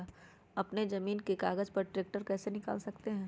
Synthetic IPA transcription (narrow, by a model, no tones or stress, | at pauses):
ɐpned͡ʒɐmiːnkekaːɡəd͡ʒpɐɾʈɾeːk̚ʈəɾkɛːsenɪka̰ːlsɐkt̪eɦɛ̃ː